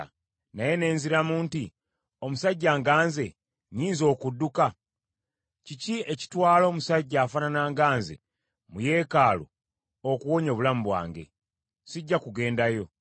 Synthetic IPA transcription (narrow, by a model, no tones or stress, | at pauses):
naje̞ne̞ːnziɾamuːnti | o̞musaɟːaːŋɡaːnze̞ | ɲiːnzo̞ːkudːuka | cicieci̥twaːlo̞ːmusaɟːaːfananaːŋɡaːnze̞̰ | muje̞kaːlo̰ | okuwo̞ɲoβulamuβwa̰ːŋɡe̞̰ | siɟːakuɡe̞ːndajo̞